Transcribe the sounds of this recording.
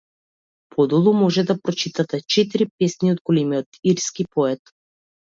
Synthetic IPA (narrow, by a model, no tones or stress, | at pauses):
pʰɔd̪ɔlˠumɔʒɛd̪apɾɔt͡ʃit̪at̪ɛt͡ʃɛt̪iɾipɛsniod̪̚ɡɔlɛmiɔt̪iɾskipɔɛt̪